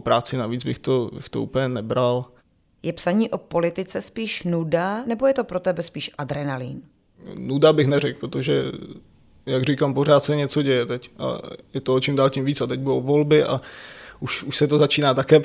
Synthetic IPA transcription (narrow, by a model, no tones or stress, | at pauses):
pɾaːt͡sɪnaviːd͡zbɪxt̪obɪ̰xt̪o̰ṵːpəɲɛnɛbɾal | jɛpsaɲiːʔo̞po̞lɪt̪ɪt͡sɛspiːʃnudanɛbo̞jɛt̪o̞pɾot̪ɛbɛspiːʃʔad̪ɾɛnalḭn | nudabɪxnɛrɛk̚pɾot̪oʒɛ | jaɡrikampor̝aːt̪sɛɲɛt͡so̞ɟɛjɛt̪ɛcʔa̰jɛt̪oot͡ʃɪmdaːlcimviːt͡sat̪ɛɟ̚budowvolbɪʔa̰ʔuʃuʃsɛt̪ozat͡ʃiːnaːt̪akɛː